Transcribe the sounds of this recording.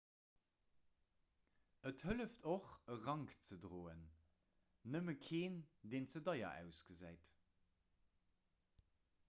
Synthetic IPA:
əthələftʰoχəʁɑŋkt͡sədʁoːənː | əməkʰeːndeːnt͡sədɑɪɐ̰ʔæ̰ʊsɡ̥əzæ̰ɪt

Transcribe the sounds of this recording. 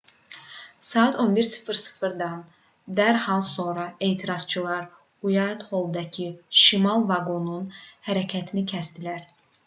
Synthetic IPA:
sɑːɑt̪ʰo̞nbiɾsɯ̥fɯɾsɯ̥fɯɾd̪ɑn | d̪æɾhɑlˠso̞nɾɑe̞ːt̪ʰiɾɑz̥t͡ʃʰɯlˠɑɾ | ujɑt̪ho̞lˠd̪ɑcʰiʃimɑlˠvɑɡo̞nunhæɾæcʰæt̪ʰinicʰæst̪ilæɾ

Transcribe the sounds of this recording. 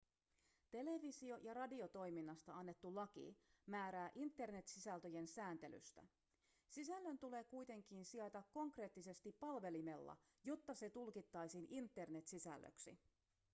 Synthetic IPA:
t̪e̞le̞ʋisio̞jɑɾɑdio̞t̪o̞jminːɑst̪ɑɑnːe̞t̪ːulɑkḭmæːɾæːʔint̪ːe̞rne̞t̪sisælt̪ø̞je̞nsæːnt̪e̞ly̰st̪æ̰ | sisælːø̞nt̪ule̞ːkujt̪e̞ŋk̟iːnsiɑt̪ɑkːo̞ŋkre̞ːt̪ːise̞st̪ipːɑlʋe̞lime̞lːɑ̰ | jo̞t̪ːɑse̞t̪ulkit̪ːɑjsiːnʔint̪ːe̞rne̞t̪sisæ̰lːø̰ksḭ

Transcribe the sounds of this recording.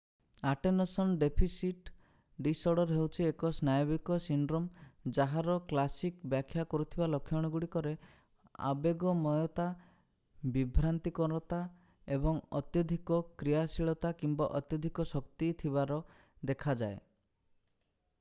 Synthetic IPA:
aʈenɔsɔnɖepʰisiʈ | ɖisɔɽɔɾɦewt͡ʃʰiekɔsnajɔbikɔsiɳɖɾomd͡ʒaɦaɾɔklasikbjakʰjakɔɾut̪ʰibalɔkʰjɔɽ̃ɔɡuɽikɔɾe | a̰beɡɔmɔjɔt̪a | bibʱɾant̪ikɔɾɔt̪a | ebɔŋɔ̰t̪jɔd̪ʱikɔkɾijasiɭɔt̪akimbaʔɔt̪jɔd̪ʱikɔsɔk̚t̪it̪ʰibaɾɔ | d̪ekʰad͡ʒae

